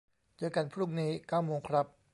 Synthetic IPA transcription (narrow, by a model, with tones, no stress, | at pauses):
t͡ɕɤː˧jka˧npʰɾuː˥˩ŋniː˦˥kaː˥˩wmoː˧ŋkʰɾa˦˥p̚